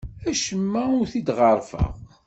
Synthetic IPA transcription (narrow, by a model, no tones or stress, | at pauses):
æʃəmːæʊɾθid̪ʁəɾˤfæ̰ʁ